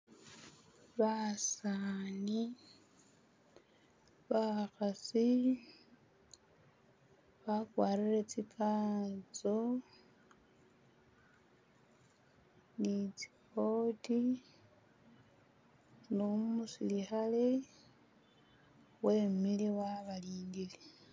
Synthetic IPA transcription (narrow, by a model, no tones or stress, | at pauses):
βasani | βaxasi | βakwaːɾiɾe̞t͡sipʰaːt͡so | nit͡si̥ko̞ti | nomusilixale̞ | we̞miliwaβaliːndile